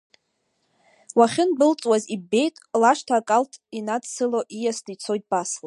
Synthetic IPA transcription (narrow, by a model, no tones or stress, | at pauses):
waχʲɪnbɨlt͡sʼwazibe̞jtʼlaʃtʰakʼaltʰinadsɨloʔijasdit͡sʰo̞jt̚ʼb̥asla